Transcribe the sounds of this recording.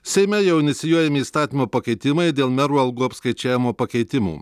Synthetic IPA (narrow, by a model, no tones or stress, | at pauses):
sʲɛɪmʲɛjɛʊɪnʲɪt̪sʲɪjuɔjɛmʲɪiːst̪ɑːt̪ʲimoːpɐkʲɛɪt̪ʲɪmɐɪd̪ʲeːlˠmʲɛɾuːɐlˠɡuːɐpskɐɪt͡ʃʲæːʋʲɪmoːpɐkʲɛɪt̪ʲɪmṵː